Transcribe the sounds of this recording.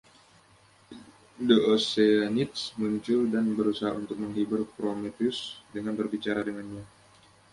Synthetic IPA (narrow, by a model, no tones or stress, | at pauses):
dəoseanit̪smuɲt͡ʃʊldanbəɾusaɦa̰unt̪ʊk̚məŋɦibʊrpɾomet̪iʊsdəŋanbərbit͡ʃaɾadəŋanɲa